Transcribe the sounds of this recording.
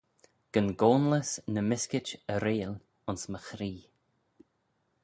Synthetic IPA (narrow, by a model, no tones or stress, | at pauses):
ɡ̥ənɡoːnləsnəmɪskɪt͡ʃəɾeːl | ʊnsməxɾiː